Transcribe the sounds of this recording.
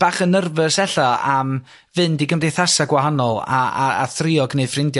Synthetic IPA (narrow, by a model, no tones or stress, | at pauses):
b̥aːχənərvəsɛɬɔam | vɨndiɡəmdejθasaɡwaɦanɔlˠa̰a̰a̰θrɪɔɡnejfrɪndjɔ